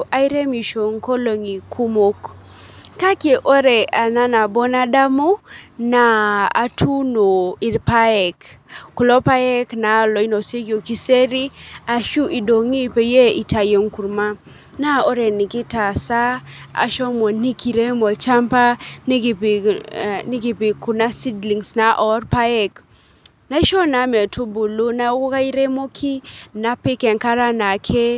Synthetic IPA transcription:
ʔa˦ɪ˦ɾe˦mi˨ʃo˨ŋko˦lo˨ŋi˨kʰu˦mo˦k | ka˦kje˨ʔo˦ɾɛ˨a˨na˦na˨bo˦na˦da˦mo˦na˨a̰˨tʰu˦no˨ɪ˨ɾpa˦ɛ˨kkʊ˨lɔ˦pa˦ɛ˦kna˨˦lɔ˨i˦no˨se˦ɡjo˨ki˦se˦ɾi˦a˨ʃu˦ʔi˨do˨ŋi˦pe˨je˦i˨ta˨je˨ŋku˨ɾma˦ | na˦ɔ˦ɾe˨nɪ˨kɪ˦ta˨sa˦a̰˨ʃɔ˦mɔ˨ni˦ki˨ɾe˦mɔ˨lt͡ʃa˦mpa˦n˦ɡpni˦ɡi˨pɪ˨ku˨na˦si˦dli˨ŋsna˨ʔɔ˦rpa˦ɛ˦k | na˦ʃɔ˦na˨˦me˨tʰu˦bu˨lo˦na˦wka˦i˦ɾe˦mo˦kʰi˦na˦pɪ˦kɛ˨ŋka˦ɾa˦na˨kʰe˦

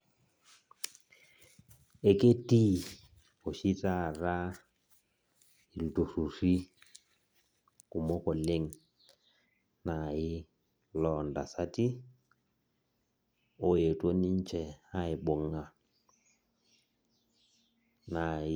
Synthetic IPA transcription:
e˨ke˦ti˦ | o˨ʃi˦ta˦˨ra˦ | i˨ltu˨ru˨ɾi˦ | kʊ˨mɔ˦kɔ˨le˦ŋ | na˨ɪ˦ | lɔ˨nda˨sa˦ti˦ | o˦e˨tʼo˦ni˦n˦t͡ʃɛ˨a˦ɪ˨ɓɔ˨ŋa˨ | na˨˦

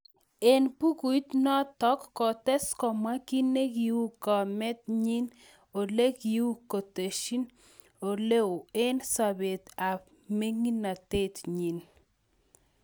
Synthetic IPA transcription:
e˨npu˦ɡu˨i˦t̪nɔ˦t̪ɔ˦kːɔ˨t̪ɛ˦skɔ˨ma˦ki˦ne˦ɡi˨u˦kɔ˨mɛ˦t̪̚ɲi˦n | o˨le˦ɡi˨u˦ko˨t̪e˨ʃi˦n | o˨le˦o˨e˦nsa˨be˨t̪a˨p | me˦ŋi˦na˨t̪e˦˨t̪ɲi˨n

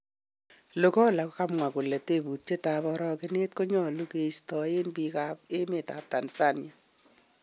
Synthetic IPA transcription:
lo˨kɔ˦la˨kka˦mŋwa˨kʊ˨le˨te˦bu˨tt͡ʃe˦ta˨bɔ˧ɾɔ˦kɪ˦ne˦t̚ko˦ɲɔ˦lu˦ke˨stɔ˨e˦nbi˧ka˦pe˦me˨ta̰˨p̚ta˨nsa˦nja˨

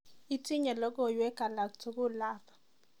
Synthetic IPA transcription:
i˦tʰi˦ɲɛ˨lɔ˦k̬ʼɔ˦˨jwɛ˦ka˨la˨ktʰɔ˦k̬u˦laː˦pʰḁ˨

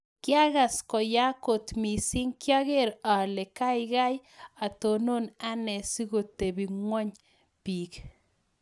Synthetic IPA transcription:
kja˦ɣa˨skɔ˨ja˦ko˨t̪mi˨si˦ŋkja˦ɣe˦ɾa˨le˨ka˦jɣa˦ja˨t̪o˨no˦na˦nɛ˨si˦ɣo˨t̪ːe˨bi˨ŋwɔ˦ɲ | pi˨k

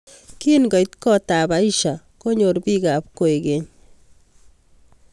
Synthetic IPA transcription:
ki˦nɡɔ˨jt̪kɔtaba˨i˦ʃa | ko˦ɲo˨ɾbi˦ɡa˨p̚ko˨e˨ɡe˨ɲ

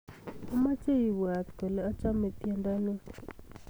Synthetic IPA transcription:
a˦ma˦t͡ʃe˦ji˨wwa˨t̪kɛ˨lɛ˦a˦t͡ʃa˦me˨t̪ɛ˦nda˦ne˦

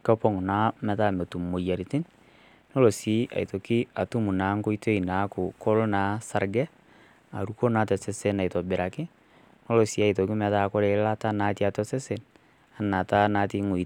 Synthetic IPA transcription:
kɔ˦pɔ˦ŋ˨na˨˦mɛ˨ta˦me˨tu˨mːo˨ja˨ɾi˨tɪ˦n | no˦lo˨si˨˦ʔa̰˨i˨to˨kɪ˦a˨tu˦mu˨na˨˦ŋko˦i˦tʰo˦i˨na˨˦kʊ˨kɔ˦lna˨˦sa˨ɾɡɛ˦ | a̰˨ɾu˦ko˦na˨˦tɛ˨se˦se˦na˨jtɔ˨bɪ˨ɾa˨kɪ˦ | no˦lo˨si˨˦a˨jto˨kɪ˦mɛ˨ta˦˨kɔ˦ɾe˨˦la˦ta˦na˨˦ti˦a˨tɔ˦se˦se˨n | a˨˦nːa˨ta˦naː˨˦ti˦ŋo˨i˨

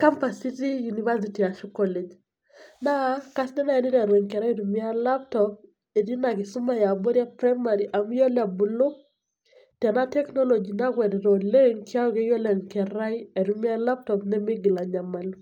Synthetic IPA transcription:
ka˦mpa˨si˦ti˦juni˨va˦s̬iti˨a˨ʃu˦kɔ˦le˨d͡ʒ | na˦ka˦snɛ˦na˦ɛ˦ni˦ɾɛ˨ɾwɛ˨ŋkɛ˨ɾa˦i˦ɾu˨mɪ˦a˦la˦p̚tɔp̚ | e˨di˦na˨kɪ˨sʊ˦ma˦ja˨bo˦ɾi˦a˦pɾa˦ma˨ɾiʔa˨m˦jo˦la˨bu˨lo˦ | tɛ˨na˦tɛ˦knɔ˦lo˨d͡ʒi˨na˦kwɛ˨dɛ˨ɾo˨le˦ŋkja˦ɔ˦ke˦jo˦lɛ˨ŋkɛ˨ɾa˦je˨ɾu˦mɪ˦a˦la˦p̚tɔ˨pnɛ˦mɪ˦ɡi˨la˨ɲa˨ma˨lu

